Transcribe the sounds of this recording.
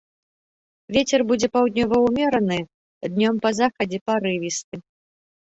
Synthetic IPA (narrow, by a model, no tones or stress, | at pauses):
vʲet͡sʲɛrbud͡zʲɛpawd̪̚ʲnʲɔvɐwmʲɛɾɐnɨ | d̪nʲɔmpɐzaxɐd͡zʲɛpaɾɨvʲist̪ɨ